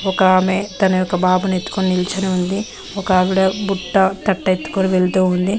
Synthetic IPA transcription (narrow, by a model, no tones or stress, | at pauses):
ɔkɐaːmet̪ɐnɐjɔkːɐbaːbɐnet̪ːu̥konnilit͡ʃɐniund̪i | ɔkɐaːʋiɽɐbuʈːɐt̪ɐʈːɐet̪ːu̥koniʋelt̪uːund̪i